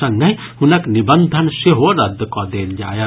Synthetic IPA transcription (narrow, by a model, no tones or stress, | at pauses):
ɐŋɡəɦi | hunəknibənd̪ʱənseɦoɾɐd̪kɔd̪eːnd͡ʒa̰ːjɐ